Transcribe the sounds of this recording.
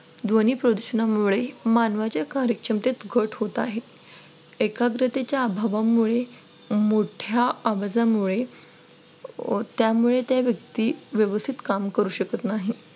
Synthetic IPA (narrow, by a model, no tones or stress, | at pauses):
d̪ʋoniːpɾəd̪uɕənamuɭemanʋat͡ɕjakaɾjəkʂəmt̪et̪ɡʱəʈʰɦot̪aɦet̪ | ekaɡɾət̪et͡ɕjaːbʱaʋamuɭe | moʈʰjaːʋad͡zamuɭe | t̪jamuɭet̪jaʋjək̚t̪iːʋjəʋəst̪ʰit̪kamkəɾuːɕəkət̪naɦi